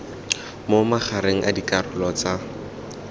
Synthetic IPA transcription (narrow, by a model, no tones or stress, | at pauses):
momaχʰaɾeŋ̩ʔadikʼarʊlɔt͡sa